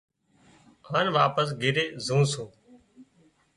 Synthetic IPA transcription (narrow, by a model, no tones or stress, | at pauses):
aːnʋaːpəs̬ɡʱɪɾeːzũːsõː